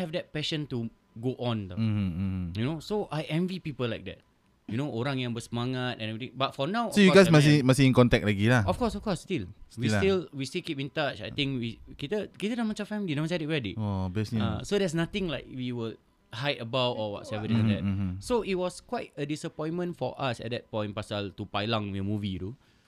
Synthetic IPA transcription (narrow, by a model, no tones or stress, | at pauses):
hɛvdɛt̚pɛʃə̃ntu | ɡoʔɔ̃n̩ | junosoʔajʔɛ̃ɱvipipəlaɪk̚dɛ̰t̚ | junoʔoɾãŋjãŋbəsəmaŋatɛ̰̃nɛvɹit̪ĩŋbat̚fɔnawɔsojuɔɡajsmasimasiĩnkɔ̃ntɛk̚laɡilaɔfkɔsɔfkɔsːtilswistilwistilkipĩntat͡ʃa̰jt̪ĩŋkwikit̪əkitədamãt͡ʃɔfɛ̃mlinãmãsaditɹɛditɔbɛsnasodɛs̬nat̪ɪ̃ŋlaɪk̚wiwəl | hajtəbawtɔwɔ̰tsɛvət̪ĩdɛtsoit̚wɔskwaɪt̚ədisəpɔ̃j̃nmə̃nfɔ̰ʔasɛ̰t̚dɛt̚pɔ̃ɪ̃npasaltupajlãŋwiəmuvitu